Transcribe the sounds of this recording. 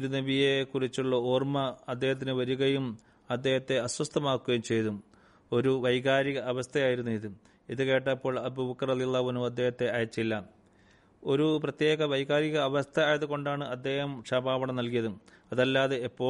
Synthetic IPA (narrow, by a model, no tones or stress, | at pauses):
ɾunebijekurit͡ɕːuɭːɐoːrmɐɐd̪ːe̞ːhɐt̪̬ːinɨʋɐɾuɣɐjum | ɐd̪ːe̞ːhɐt̪ːe̞ɐswɐst̪ʰɐmaːkːuɣɐjumt͡ɕe̞jt̪um | o̞ɾuʋɐjɡaːɾiɣɐʔːʋɐst̪ʰɐjaːjiɾunːuiðɨ | iðɨke̞ːʈ̬ːapːo̞ːɭɐbubɐkːɐrɐðijɐlːaːɦuɐnːuuɐd̪ːe̞ːhɐt̪ːe̞ɐjɐt͡ɕːilːɐ | o̞ɾuprɐt̪je̞ːɣɐʋɐjɣaːɾiɣɐːʋɐst̪ʰɐːjɐðuko̞ɳɖaːɳɨʔɐd̪ːe̞ːhɐmʂɐbaːʋɐɳɐmnɐlkijɐðɨ | ɐðɐlːaːðe̞epːo̞ː